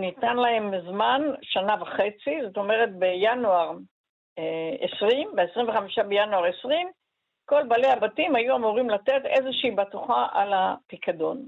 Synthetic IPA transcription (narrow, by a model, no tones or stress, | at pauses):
nitanlae̞mzmanʃanavaχe̞t͡sizo̞t̪o̞me̞ʁe̞t̚bejanuaʁ | esʁimbeːsʁimveχamiʃabejanuaʁesʁim | ko̞lbalehabatimhajuamuʁimlate̞tezeʃiːbatuχaʔalapikado̞n